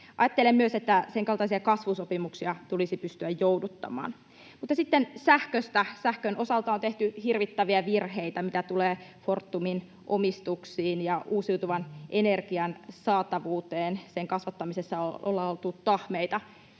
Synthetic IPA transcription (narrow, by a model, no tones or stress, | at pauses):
ʔɑ̰jɑt̪ːelemmyøset̪ːæseŋkɑlt̪ɑisiɑkɑsʋusopimuksiɑt̪ulisipyst̪yæjjowdut̪ːɑ̰mɑ̰ːn | mut̪ːɑsit̪ːensæhkøst̪æsæhkønʔo̞sɑlt̪ɑont̪eht̪yhirʋit̪ːæʋiæʋirɦeit̪æmit̪æt̪uleːfort̪ːumin | ʔomist̪uksiːnjɑʔuːsiwt̪uʋɑnʔenerɡ̥iɑnsɑːt̪ɑʋuːt̪eːnseŋkɑsʋɑt̪ːɑmisesːɑoolːɑolt̪utt̪ɑhmeit̪ɑ